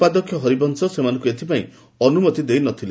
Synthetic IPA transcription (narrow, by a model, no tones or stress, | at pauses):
pad̪ɔkʰːjɔɦɔɾibɔnsɔsemanɔ̃ŋkuet̪ʰipaḭ̃ | ɔnumɔt̪id̪ejnɔt̪ʰile